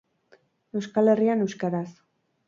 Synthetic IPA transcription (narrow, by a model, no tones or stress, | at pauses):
e̞wskale̞riane̞wskaɾas